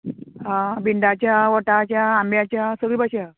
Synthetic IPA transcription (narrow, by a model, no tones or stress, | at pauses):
ɦãbiɳɖat͡ɕjaʋəʈat͡ɕjaːmbjat͡ɕjasəɡɭiːbaɕa